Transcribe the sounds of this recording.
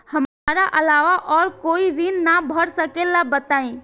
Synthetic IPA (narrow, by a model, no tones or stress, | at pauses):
hɐmː | ɾaʔɐlaːʋaʔɔːɾkoːiɾinnabʱəɽsəkelabət̪aːĩː